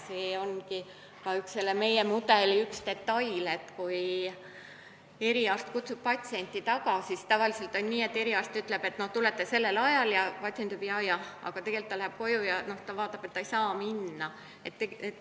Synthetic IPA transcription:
seːo̞nki | kɑykse̞lːeme̞jemud̪e̞liykst̪e̞t̪ːɑjle̞t̪kuj | e̞ɾiɑːrst̪̚kut̪sub̥̚pɑt̪ʲsie̞nʲt̪ːˑit̪ɑkɑsist̪ɑvɑlise̞lt̪ˑo̞nʲniːe̞t̪ːe̞ɾiɑːst̪yt̪ːˑle̞be̞t̪ːˑno̞ht̪ule̞t̪ːˑese̞lːe̞lɑjɑljɑpɑt̪sient̪ybijɑjɑɑ̰ɡ̥ɑt̪e̞ɡ̥e̞lt̪ːɑlæhæp̚ko̞jujɑno̞ht̪ɑvɑːt̪ːˑɑb̥e̞t̪ːɑejsɑːminːɑ | et̪ːeɡet̪ː

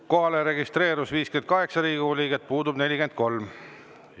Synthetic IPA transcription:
ko̞ɦɑleɾe̞ɡist̪re̞ːɾusviːskyed̪̥kɑɦe̞ksɑɾiːɡiolʲiːɡ̥et̪̚ːˑpuːd̪ubne̞lʲiɡ̥e̞nd̪̚ko̞lm

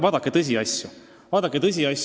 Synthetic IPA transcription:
vɑːd̪ɑkːˑet̪ɤs̬ʲiɑsʲju | vɑːd̪̥ɑkːˑet̪ɤs̬ʲiɑs

